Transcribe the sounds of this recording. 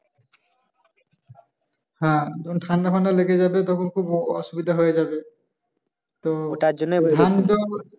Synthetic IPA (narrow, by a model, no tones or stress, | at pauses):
hãdɔntʰandakʰɔnaleɡɛzabɛtɔkʰɔnkʰubɔɔsubid̪ʱaɦojɛzabɛ | t̪ɔtad͡ʒɔnɛandɔ